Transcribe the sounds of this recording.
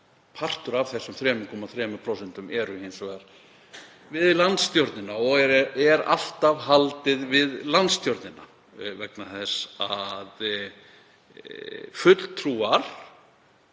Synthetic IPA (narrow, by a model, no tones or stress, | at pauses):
pʰar̥t̪ʏɾav̥θɛsʏmθɾɛːmʏkʰɔːmaθɾɛːmʏpʰɾowsɛnt̪ʏmʔɛɾʏhejnsvɛðaɾ | vɪðlant̪st̪jɔɾt̪nɪnaɔɣɛɾa̰l̥t̪avɦalt̪ɪðvɪðlant̪st̪jɔɾt̪nɪna̰ | vɛknaθɛsað | fʏt̪lt̪ʰɾuːaɾ̥